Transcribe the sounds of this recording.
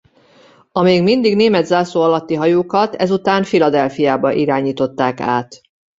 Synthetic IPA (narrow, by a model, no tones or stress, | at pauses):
ɒmeːɡmind̪iɡneːmɛd̪zaːsoːɒlɒt̪ːiɦɒjuːkɒt̪ɛzut̪aːnfilɒd̪ɛlfijaːbɒʔiɾaːɲiːt̪o̞t̪ːaːka̰ːt̪